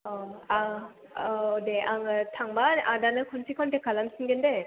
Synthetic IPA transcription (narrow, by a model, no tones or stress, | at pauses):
ɔa | deʔaŋɯtʰaŋbanadanɯkʰuntʰikʰɔntekʰalansɯŋɡende